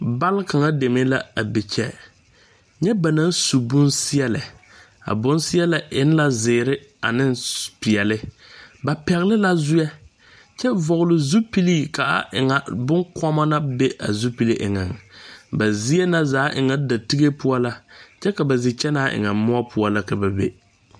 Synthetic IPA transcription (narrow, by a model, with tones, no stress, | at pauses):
ba˦lka˨ŋa˦de˨me˦la˦a˨bɪ˨t͡ʃɛ˦ | ɲɛ˦ba˨na˦nsu˨bʊ˦nsɪ˦ɛ˦lɪ˨ | a̰˨bʊ˦nsɪ˦ɛ˦la˨ʔɪ˦n˦la˦zɪː˨ɾɪ˦ | a̰˨nɪ˦npɪ˨ɛ˨lɪ˦ | ba˨pɛ˨ɣɪ˦lɪ˦la˦zʊ˦jɛ˦ | t͡ʃɛ˦vɔ˨ɣlʊ˨zu˦pi˦liː˦˨ka˨a̰˨ʔɪ̰˨ŋa˨bʊ˦ŋkɔ˦ma˦na˦be˦a̰˨zu˦pi˨li˦ʔɪ̰˨ŋa˨ŋ˨ba˨zi˦ɛ˦na˦zaː˨˦ʔɪ˨ŋa˨da˨ti˦ɡe˦pʊ˦ɔ˦la˦t͡ʃɛ˦ka˨ba˨zɪ˨t͡ʃɛ˦na˦ʔɪ̰˨ŋa˨mʊ˦a˦pʰʊ˦ɔ˦la˦ka˨ba˨bḛ˦